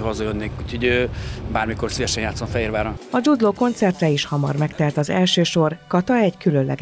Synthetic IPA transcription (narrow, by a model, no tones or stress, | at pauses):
ɦozojønːekut̪ʰiɟøːbaːrmikorsivɛʃɛnjaːt̪somfɛɦiːɾvaːɾɔɒd͡ʒud̪loːko̞nt̪sɛrt̪rɛiʃhɒmɒ̰rmɛkt̪ɛlt̪ɒzɛlʃøːʃo̞rkɒt̪ɒɛɟkylønlɛ̰ɡ